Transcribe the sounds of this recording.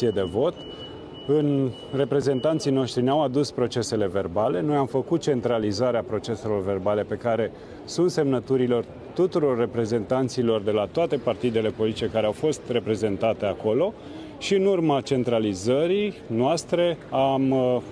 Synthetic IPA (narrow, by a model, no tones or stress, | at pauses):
ied̪e̞vo̞t̪ | ɨn | re̞pɾe̞ze̞nt̪ant̪sijno̞ʃt̪ɾineawad̪uspɾo̞t͡ʃe̞se̞le̞ve̞rbale̞no̞jamfəkut̪̚t͡ʃe̞nt̪ɾalizaɾeapɾo̞t͡ʃe̞se̞lo̞rve̞rbale̞pe̞kaɾe̞ | sunt̪se̞mnət̪uɾilo̞r | t̪ut̪uɾo̞rːe̞pɾe̞ze̞nt̪ant̪silo̞rd̪e̞lat̪oat̪e̞part̪id̪e̞le̞po̞lit̪it͡ʃekaɾeawfo̞st̪re̞pɾe̞ze̞nt̪at̪e̞ako̞lo̞ | ʃiɨnurmat͡ʃe̞nt̪ɾalizəɾinoast̪ɾe̞am